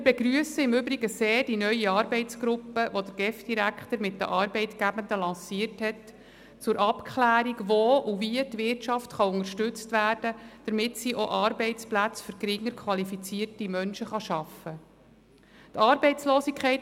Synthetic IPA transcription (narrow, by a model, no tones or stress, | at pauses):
mɪɾbeɡɾyəsəɪmʏbɾiɡəseːdinœjiɑːɾbɛɪt͡sɡ̥ɾʊpːəʋod̪əɾɡ̥ɛfd̥iɾækχt̪əɾmɪtːdə̰ʔɑːɾbɛɪtɡ̥æbənd̪əlɑ̃ːsiərthɛt | t͡sʊɾʔɑpkʰχlæːɾiɡʋoːʔuviətʋɪrtt͡ʃɑftχɑʊŋəʃtʏt͡stʋæːrd̥əd̥əɾmɪtsiʔoʔɑːɾbɛɪt͡splæt͡sfʏɾɡɾɪŋːəɾkʰʋɑlifit͡siərtimœnʃəχɑʃɑfə | t̪ɑːɾbɛɪt͡sloːsikʰɛɪt